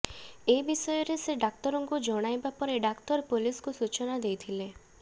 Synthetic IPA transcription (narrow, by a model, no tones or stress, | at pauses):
ebisɔjɔɾeseɖak̚tɔɾɔŋkud͡ʒɔɽ̃ajbapɔɾeɖaktɔɾpuliskusut͡ʃɔnad̪ejt̪ʰile